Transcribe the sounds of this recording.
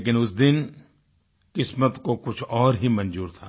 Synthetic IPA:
k̬ɪnʊsd̪ɪn | kɪsmət̪kokʊt͡ʃʰɔːɾɦimɐ̃nd͡ʒuːɾt̪ʰaː

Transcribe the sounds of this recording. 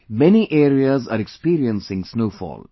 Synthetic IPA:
mɛniʔeːɾiazaːɾekspiːɾiə̃nsɪ̃ŋsnoːfɔ̰ːl

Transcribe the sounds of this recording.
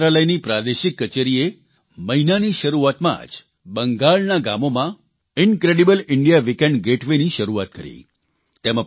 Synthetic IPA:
ɾaləjnipɾad̪eʃikːət͡ʃeɾie | məɦinaniʃəɾuat̪mã̰d͡ʒ | bəŋɡaɭnaɡamomã | ɪnkɾeɖibəlɪɳɖijaʋikẽɳɖɡeʈʰʋeniʃəɾuat̪̚kəɾḭ | t̪emə̃

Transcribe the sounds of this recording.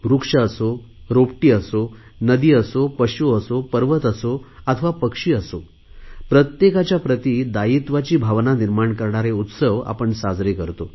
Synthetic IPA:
bɾukʂəəso | ɾopʈiːəso | nəd̪iːəsopəɕuəsopəɾʋət̪əsoət̪ʰəʋapəkʂiːəso | pɾət̪jekat͡ɕjapɾət̪iːd̪ait̪ʋat͡ɕiːbʱaʋnaniɾmaɳkəɾɳaɾeut̪səʋa̰pəɳsad͡zɾekəɾt̪o

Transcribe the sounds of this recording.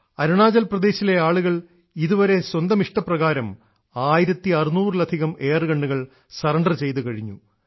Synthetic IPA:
ɐɾuɳaːd͡ʑɐlprɐd̪e̞ːɕile̞aːɭuɣɐɭ | iðuʋɐɾe̞swɐnd̪ɐmiʂʈɐprɐɣaːɾɐm | aːjiɾɐt̪ːiɐrunuːrɨlɐd̪ʱiɣɐme̞ːrɨɡɐɳɖuɣɐɭ | sɐrɐɳɖɐrt͡ɕe̞jt̪̬ukɐɻiɲːu

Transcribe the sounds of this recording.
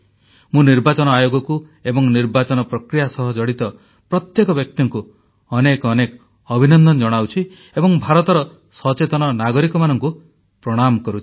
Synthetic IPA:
mũniɾbat͡ʃɔnɔajoɡɔkuebɔŋniɾbat͡ʃɔnɔpɾɔkɾijasɔɦɔd͡ʒɔɽit̪ɔ | pɾɔt̪jekɔbjɔk̚t̪iŋku | ɔnekːnekɔ | ɔbʱinɔnd̪ʱɔnɔd͡ʒɔɽ̃awt͡ʃʰi | ebɔŋbʱaɾɔt̪ɔɾɔ | sɔt͡ʃet̪ɔnɔnaɡɔɾikɔmanɔŋku | pɾɔɽ̃amkɔɾut͡ʃʰi̥

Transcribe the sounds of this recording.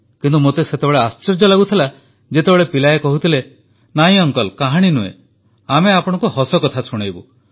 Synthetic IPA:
kint̪umot̪eset̪ebeɭeast͡ʃɔɾd͡ʒɔlaɡut̪ʰila | d͡ʒet̪ebeɭepilajekɔɦut̪ʰile | naĩɔŋkɔlkaɦaɽ̃inuḛ̃ | ameapɔɽ̃ɔ̃ŋkuɦɔsɔkɔt̪ʰasuɽ̃ajbu

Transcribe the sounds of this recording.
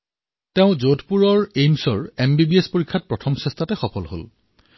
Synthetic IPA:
teʊ̃zotʰpuɹɔɹejmsɔɹembibiespoɹikʰːat̚pɹɔtʰɔmsɛstʰatɛxɔpʰɔlɦo̰l

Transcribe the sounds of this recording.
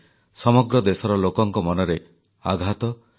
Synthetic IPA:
sɔmɔɡɾɔd̪esɔɾɔlokɔŋkɔmɔnɔɾe | aɡʱat̪ɔ

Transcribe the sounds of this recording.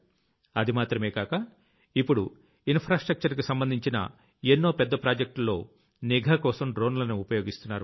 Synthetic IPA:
ɐd̪imaːt̪ɾɐmeːkaːkɐ | ipːuɽu | inpʰɾaːsʈɾɐk̚t͡ʃɐɾk̬isɐmbɐnd̪ʱiɲt͡ʃinɐ̰ | enːo̞ːpɛd̪ːɐpɾaːd͡ʒɐk̚ʈlːo̞ː | niɡʱɐkɔːsɐmɖɾoːnlɐnuupɐjo̞ːɡist̪unːaːɾu

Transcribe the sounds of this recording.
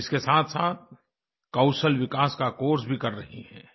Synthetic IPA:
ɪskesaːt̪ʰsaːt̪̚ | kɐʊsəlwɪkaːskakoːɾsbʱikɐɾːɐɦḭhɛ̰̃ː

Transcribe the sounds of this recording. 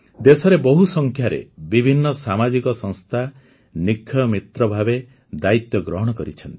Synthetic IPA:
d̪esɔɾebɔɦusɔŋkʰjaɾḛbibʱinːɔsamad͡ʒikɔsɔŋst̪ʰa | nikʰːɔɔmit̪ɾɔbʱabe | d̪ait̪jɔɡɾɔɦɔɽ̃ɔkɔɾḭt͡ʃʰɔnt̪i̥

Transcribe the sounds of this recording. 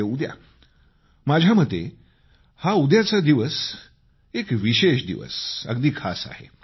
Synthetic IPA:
eud̪ja̰ | mad͡ʑʱjamət̪ːe | haud̪jat͡sad̪iʋəs | ekʋiɕeʃd̪ḭʋə̰sə̰ɡd̪iːkʰa̰sa̰hḛ

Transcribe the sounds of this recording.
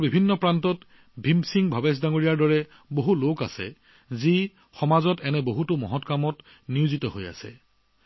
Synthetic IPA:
bibʱinːɔpɹantɔt | bʱimsiŋbʱabɛs̬daŋoɹijaɹdɔɹɛ | boɦuloka̰sɛ̰ | zi | xɔmazɔtɛnɛboɦutʊmɔ̰ɦɔtkamɔt | niuzitɔɦoja̰sɛ̰

